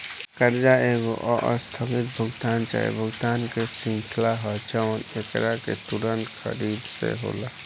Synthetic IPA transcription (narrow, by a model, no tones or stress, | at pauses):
kəɾd͡ʒaːeːɡoʔɔʔəst̪ʰamɪt̪̚bʱʊɡt̪aːnt͡ʃa̰ːḛbʱʊɡt̪aːnkesɪ̃ŋkʰlaɦɔt͡ʃəʋnekɾakḛt̪uɾənt̪kə̰ɾiːbsḛɦo̰ːlaː